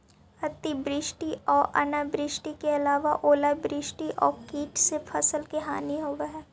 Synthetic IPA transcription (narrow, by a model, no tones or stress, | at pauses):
ɐt̪ibɾɪʃʈiʔɔːɾɐ̰nabɾɪʃʈikeɐlaːʋaʔoːlabɾɪːʃʈiʔɔːɾkiːʈsepʰɐsəlkeɦaːniɦoːɡaɦɛː